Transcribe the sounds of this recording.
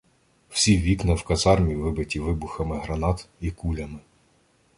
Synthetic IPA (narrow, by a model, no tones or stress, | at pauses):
w̥sʲiʋʲiknɐwkɐzɑrmʲiʋɪbɪtʲiʋɪbʊxɐmɪɦɾɐnɑt̪ikulʲɐmɪ